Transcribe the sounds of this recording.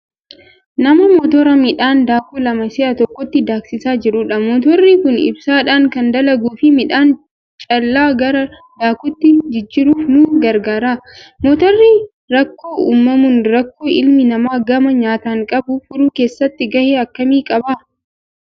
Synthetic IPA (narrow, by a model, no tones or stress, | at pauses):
nɐmɐmɔt̪ɔɾɐmɪᶑaːnd̪aːkulɐmɐsɪʔɐt̪ɔkːɔt̪ːɪd̪aːksɪsaːd͡ʒɪɾʊᶑɐmɔːt̪̬ɔrːiːkʊnɪ̰bsaːᶑaːŋkɐnd̪ɐlɐɡuːfɪmɪᶑaːn | t͡ʃʼɐlːaːɡɐɾɐ | d̪aːkʊt̪ːɪd͡ʒɪd͡ʒːɪɾuːfnuːɡɐɾɡaːɾaːmɔt̪ɔrːiː | ɾɐkːoːuːmːɐmʊnɾɐkːoːʔɪlmɪnɐmaːɡɐmɐɲaːt̪aːŋkʼɐbʊfʊɾuːke̞ːsːɐt̪ːɪɡɐheːɐkːɐmiːkʼɐbaː